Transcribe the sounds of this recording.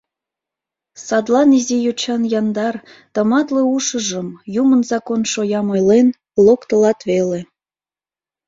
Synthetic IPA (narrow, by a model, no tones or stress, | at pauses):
sɑd̪lɑnizijot͡ɕɑnjɑnd̪ɑr | t̪əmɑt̪leuʃəʒəmjumənzɑkonʃojɑmojlen | lokt̪əlɑt̪βele